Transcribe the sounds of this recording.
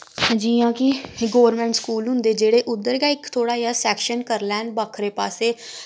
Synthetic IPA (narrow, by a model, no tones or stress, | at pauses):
hd͡ʒiːjãːkɪɡoːʋəɾmɛ̃ːɳʈskuːlɦʊ̃nd̪eːd͡ʒeːɽeːʔʊd̪ːəɾɡãːɪkt̪ʰoːɽaːjaːsɛːkʃənkəɾlɛːnbaːkʰɾeːpaːseː